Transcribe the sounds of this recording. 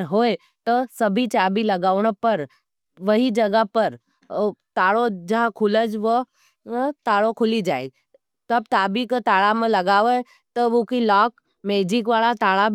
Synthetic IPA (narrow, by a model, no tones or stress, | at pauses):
ɾɦoːe | t̪ɔsɐbʱit͡ʃaːbilɐɡaːʋɳəpɐɾ | ʋɐɦid͡ʒɐɡəpɐɾ | t̪aːɽod͡ʒɐɦãkʰʊləd͡ʒʋə | t̪aːɽokʰʊlid͡ʒaːḛɡi | t̪ɐbt̪aːbikot̪aːɭamẽlɐɡaːʋe | t̪ookilɔːk | meːd͡ʒɪkʋaːlat̪aːɭab